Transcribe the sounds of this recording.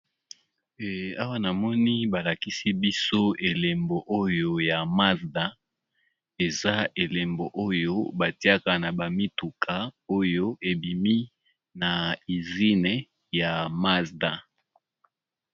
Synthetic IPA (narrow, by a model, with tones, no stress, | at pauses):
a˦wa˦na˨mɔ˦ni˦ba˨la˨ki˦si˦bi˦so˦e˨le˨mbo˨ʔo˦jo˦ja˨ma˦zda˦ | e˨za˦ʔe˨le˨mbo˨ʔo˦jo˦ba˨ti˦a˦ka˨na˨ba˨mi˦tu˨kʰa˨o˦jo˦e˨bi˨mi˦ | na˨i˨zi˦ne˨ | ja˨ma˦sda˨